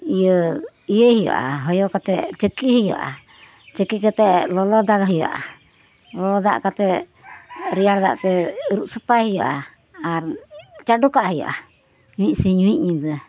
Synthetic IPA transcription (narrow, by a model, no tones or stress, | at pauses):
ijə | ijəhijɔ̰ʔa̰ɦɔjɔkat̪ɛʔt͡ʃəkihijɔ̰ʔa̰ | t͡ʃəkikət̪ɛʔlɔlɔd̪aɡaɦijɔ̰ʔa̰ | lɔd̪a̰ʔkat̪ɛ | ɾijaɽd̪a̰ʔt̪ɛɾuʔsupajhijɔʔa | aɾt͡ʃaɖukaʔaɦijɔ̰ʔa | ɲũwic̚siɲũwic̚ɲid̪ə